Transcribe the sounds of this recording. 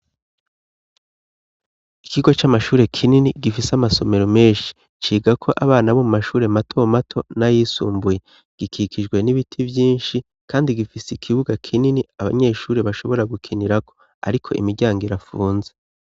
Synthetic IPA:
ikiɡo̞t͡ʃamaʃuːɾe̞kʰininiɡifisamaso̞me̞ɾome̞ːnʃi̥ | t͡ʃiːɡakʰo̞ʔaβaːnaβo̞mumaʃuːɾe̞matʰo̞matʰo̞najiːsṵːmbuje | ɡ̥ikʰikʰid͡ʒɡwe̞niβitʰivjiːnʃi | kaːndiɡifisikʰiβuɡakʰininiaβa̰ɲe̞ːʃuːɾe̞βaʃo̞βo̞ɾaɡukʰiniɾakʰo̞̥ | a̰ɾikʰo̞ʔḭmiɾɟaːŋɡiɾafuːnze

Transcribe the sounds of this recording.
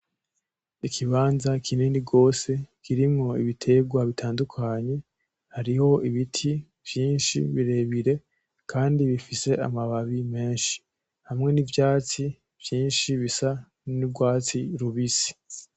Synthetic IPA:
ikʰiβaːnzakʰiniːniɡo̞ːse̞kiɾimŋo̞iβitʰe̞ɡwaβitʰaːndukʰaɲe̞ | haɾiho̞iβitʰi | v̥jiːnʃḭβiɾe̞βiɾe̞ | kʰaːndiβifise̞ʔa̰maβaβime̞ːnʃi̥ | hamŋe̞nivjaːt͡si | v̥jiːnʃiβisa | niɡwaːt͡siɾuβisi̥

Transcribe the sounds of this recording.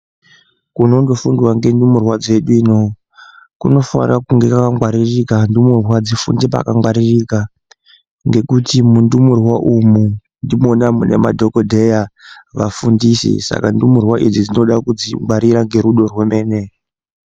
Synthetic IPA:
kuno̞ndo̞fundiwaŋɡe̞ndumurwad͡ze̞ɗuino̞ | kuno̞fa̰rakuŋɡe̞kakaŋɡwaɾirikandumurwad͡zifṵndepa̰kaŋɡwaɾirika | ŋɡe̞kutimundumurwaʔumu | ndimo̞namune̞̰madʱo̞kodʱe̞jaʋafundisḭsa̰kandumurwaʔid͡zid͡zino̞ɗakud͡ziŋɡwaɾiɾaŋɡe̞ɾuɗo̞rweme̞ːne̞

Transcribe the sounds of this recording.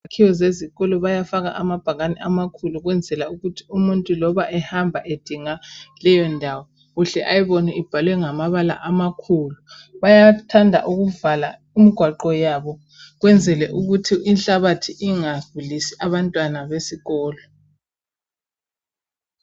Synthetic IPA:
kʰiwɔzeziɣɔlɔβajafaɣa̰ʔamab̥ʱaɣanɛʔamakʰuluɣwɛnd͡zʱɛlauɣutʰi̥umuntʼulɔβaʔɛhambʱaʔed̥ʱiŋalɛjɔndʱawɔ | ɣuɬɛʔajiβɔniib̥ʱalwɛŋamaβala̰ʔamakʰuːlu | βajatʰandʱa̰ʔuɣuvala̰ | imiɡ̥ʱwaǃɔjaβɔ | ɣwɛnd͡zʱɛlɛʔuɣutʰiinɬaβatʰiʔiŋaɡ̥ʱulisiʔaβantʼwanaβesiɣɔːlɔ

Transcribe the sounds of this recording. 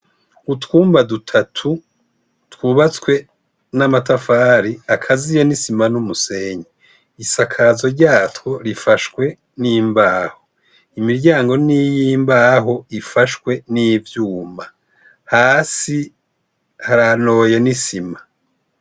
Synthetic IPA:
utkuːmbadutʰatʰu | twuːβat͡swe̞ | namatafaːɾiakʰazijanisimanumuse̞ɲe | isakʰaːzo̞ɾɟaːtwo̞ɾifaʃwe̞ | niːmbaːho | imiɾɟaːŋɡo̞nijimbaːɦo̞ifaʃwe̞nivjuːma | haːsi | haɾano̞jenisima

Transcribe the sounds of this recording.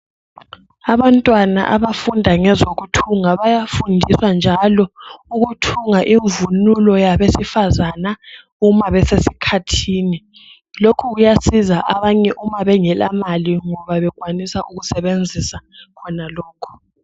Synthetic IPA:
aβantʼwana̰ʔaβafundʱaŋɛzoɣutʰuŋaβajafundʱiswand͡ʒʱalɔuɣutʰuŋaʔiɱvunulɔjaβesifazana | umaβɛsesikʰatʰiːni | lokʰuɣujasizaʔaβaɲɛʔumaβɛŋɛla̰maliŋɔβaβɛɣwanisaʔuɣusɛβend͡zʱisakʰɔnalɔːkʰɔ̥

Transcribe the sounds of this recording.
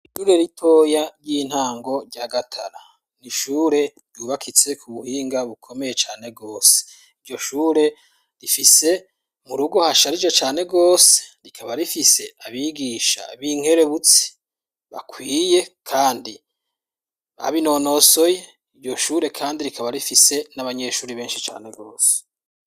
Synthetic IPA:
iʃuːɾe̞ɾitʰo̞ːjaɾɟiːn̥haːŋɡo̞ɾɟaɡatʰaɾa | niʃuːɾe̞ | juːβakʰit͡se̞kʰuβuhiːŋɡaβukʰo̞me̞je̞t͡ʃaːne̞ɡo̞ːse̥ | iɾɟo̞ʃuːɾe̞ | ɾifise̞ | muɾuɡo̞haʃaɾid͡ʒet͡ʃaːne̞ɡo̞ːse̥ɾikʰaβaɾifise̞aβiɡiʃa̰βiŋ̥he̞ɾe̞βut͡si̥ | βa̰kwiːje̞kʰaːndi | a̰βino̞no̞so̞je̞ | iɾɟo̞ʃuːɾe̞kʰaːndiɾikʰaβaɾifise̞naβaɲe̞ʃuːɾiβe̞ːnʃi̥t͡ʃa̰ːne̞ɡo̞ːse̥

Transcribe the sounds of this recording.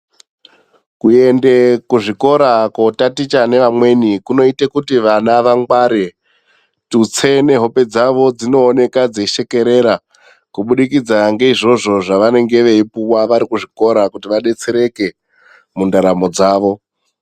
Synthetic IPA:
kue̞nde̞kuʐiko̞ɾakotatit͡ʃane̞ʋamwe̞nikuno̞itekutiʋanaʋaŋɡwaɾe | tut͡sʰe̞ne̞ɦo̞pe̞d͡zaʋo̞d͡zino̞ːne̞kad͡zeʃe̞ke̞ɾe̞ɾa | kuɓuɗikid͡zaŋɡe̞iʐo̞ʐo̞ʐaʋane̞ŋɡe̞ʋe̞ipuwaʋaɾikuʐiko̞ɾakutiʋaɗe̞t͡se̞ɾe̞ke̞ | mundaɾamo̞d͡zaːʋo̞

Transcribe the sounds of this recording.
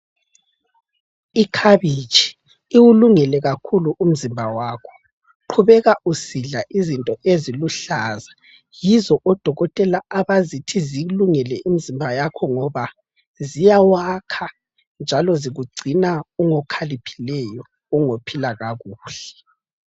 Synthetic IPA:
ikʰaβit͡ʃʼʰi̥ː | wuluŋɛlɛɣakʰuluʔum̩zimbʱawakʰɔ̥ | ǃʰuβɛɣaʔusiɮaʔizintʼɔʔeziluɬaːza | jizɔʔɔd̥ʱɔɣɔtʼɛlaaβazitʰiziluŋɛlɛʔimizimbʱajakʰɔŋɔβa | zijawakʰa | nd͡ʒʱalɔziɣuɡ͡ǀʱinauŋɔkʰalipʰi̥lɛjɔ | uŋopʰilaɣaɣuːɬɛ

